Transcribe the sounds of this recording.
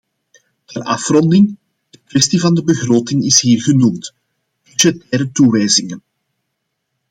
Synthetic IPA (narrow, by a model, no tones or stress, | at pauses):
tɛrʔɑfrɔndɪŋ | d̥əkwɛstivɑndəbəɣroːtɪŋɪsɦiːrɣənumt | b̥yʒɛtɛːɾətuʋɛjzɪŋən